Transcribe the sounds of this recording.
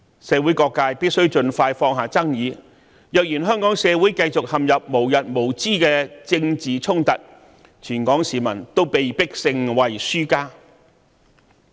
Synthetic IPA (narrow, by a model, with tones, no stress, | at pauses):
sɛː˨˧wuː˨˥jkɔː˧kːaː˧jpiː˥t̚sɵ˥wt͡ʃɵ˧nfaː˧jfɔː˧ŋɦaː˨˩t͡sɐ˥ŋjiː˨˧ | jœː˨k̚jiː˨˩nɦœː˥ŋkɔː˨˥ŋsɛː˨˧wu˨˥jkɐ˧jt͡sʊ˨k̚hɐ˨mjɐ˨p̚mo˨˩wjɐ˨t̚mo˨˩wt͡siː˥kɛː˧t͡sɪ˧ŋt͡siː˨t͡sʰʊ˥ŋt̪ɐ˨t̚ | t͡ʃʰyː˨˩nkɔː˨˥ŋsiː˨˩mɐ̰˨˩nt̪o˥wpe˨jpɪ˥k̚sɪ˧ŋwɐ˨jsyː˥kaː˥